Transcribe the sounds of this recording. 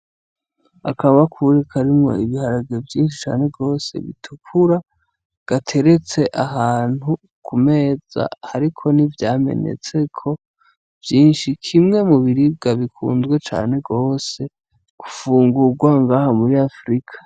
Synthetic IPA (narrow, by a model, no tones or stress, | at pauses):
akʰaβakʰuɾekʰaɾimŋo̞̰iβihaɾaɡevjiːnʃi̥t͡ʃa̰ːne̞ɡo̞ːse̞̰βḭtʰukʰuɾa | ɡ̥atʰe̞ɾe̞t͡se̞ʔaɦaːn̥hu | kʰume̞ːz̥a̰haɾikʰo̞nivjaːme̞̰ne̞̰t͡se̞kʰo̞ | v̥jiːnʃikʰimŋe̞muβiɾib̚ɡaβikʰṵːnzɡwe̞t͡ʃa̰ːne̞ɡo̞ːse̞ | ɡ̥ufuːŋɡuɡwaŋɡaːhamuɾiafɾikʰḁ